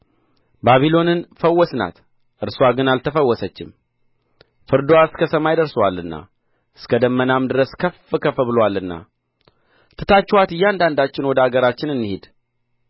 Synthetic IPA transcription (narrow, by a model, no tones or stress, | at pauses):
baβilo̞nɨnfəwːɔsna̰t̪ | ʔɨɾsaɡɨnalt̪ʰəfəwːɔsət͡ʃːɪ̰m | fɨɾd̪owaskʰəsəmajɪd̪əɾsəwalːɨnːa̰ | ɨskəd̪əmːənamd̪ɨɾəskʰəfːɨkʰəfəβɨlwalɨnːa̰ | t̪ʰɨt̪ʰat͡ʃːwat̪ɨjːand̪and̪at͡ʃːɪnwɔd̪əaɡəɾat͡ʃːɪnɨnːɨhed̪